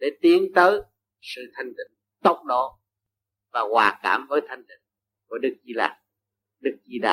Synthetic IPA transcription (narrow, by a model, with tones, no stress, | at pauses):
ɗe˧˩t̪i˨˦ənt̪əː˨˦j | sɨ̰˧˨t̪ʰa˨˧jŋ̟t̪ḭ˧˨˦ŋ | t̪ə˦˥wk͡p̚ɗɔ˨˦ | vaː˨˩ɣwaː˨˩ka̰ː˧˩mvəː˨˦jt̪ʰa˧jŋ̟t̪ḭ˧˨ŋ | ku˧˩əɗɨ˦˥k̚zi˧la̰ː˨˩ | ɗɨ˦˥k̚zi˧ɗa̰ː˧˨˩